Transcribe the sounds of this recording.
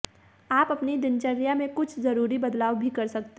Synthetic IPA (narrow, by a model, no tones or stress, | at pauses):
aːpɐpnid̪ɪnt͡ʃəɾjamẽkʊt͡ʃʰzɐɾuːɾibɐd̪laːwbʱikɐɾsɐk̚t̪